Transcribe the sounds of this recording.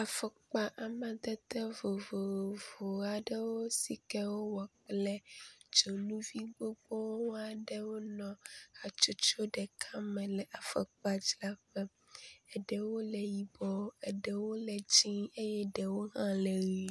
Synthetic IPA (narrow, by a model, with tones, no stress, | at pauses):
a˨fɛ˨k͡pa˨ʔa˨mɛ̃˨d̪ɛ˦t̪ɛ˦vo˨vo˨vo˨a˨ɖɛ˦wo˦si˨kɛ˦wo˦wɔ˨k͡plɛ˦d͡ʒo˨nũ˦vi˦ɡ͡bo˦ɡ͡bɔ˦wwo˦a˨ɖɛ˦wo˦nɔ̃˨a˨t͡ʃo˦t͡ʃo˦ɖɛ˨kʰa˦mɛ̃˨lɛ˨ʔa˨fɛ̰˨k͡pa˦d͡ʒla˦ɸɛ˦ | ɛ˨ɖɛ˨wo˦lɛ˨ji˨bɔ˦ɛ˨ɖɛ˨wo˦lɛ˨d͡ʒĩ˦e˦jɛ˦ɖɛ˨wo˦ɦã˦lɛ˨ɣi˨